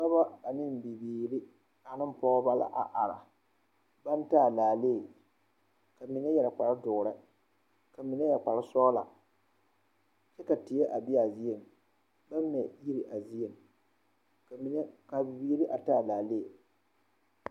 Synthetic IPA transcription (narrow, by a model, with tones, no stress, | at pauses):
ka˦ba˦ka˨nɪ˦˨m˨bi˨biː˨ɾi˦ | a˨nɨ˦m˦pɔ˦ba˦la̰˨ʔa˨ʔa˨ɾa̰˨ | ba˦n˦taː˦˨laː˨le˦˨ | ka˨mi˨nɛ˦jɛ˨ɾa˨k͡pa˨ɾa˦dʊ˨ʊ˨ɾɨ˦ | ka˨mi˨nɛ˦jɛ˨k͡pa˨ɾɪ˦sɔː˦la̰˨ | t͡ʃɛ˦ka˨tɪ˨jɛ˦ʔa˨bɪ˦a˨zi˦je˨m | ba˦m˦nɛ˨ji˦ɾi˨ʔa˨zi˦je˨m˨˦ | ka˨bi˨biː˨ɾi˦ʔa˨taː˦˨laː˨le˦˨